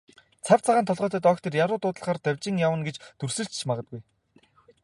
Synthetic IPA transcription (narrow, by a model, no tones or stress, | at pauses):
t͡sʰawʲt͡sʰaʁaːnt̪ʰɔɮʁœːt̪ə̆ːt̪ɔkt̪ʰerjaɾʊːt̪ʊːt̪ə̆ɮχaːrt̪æwʲt͡ɕĭŋjawə̆nɡet͡ɕt̪ɵr̥sɘ̆ɬt͡ɕt͡ɕʰmaʁə̆t̪̚ɡuj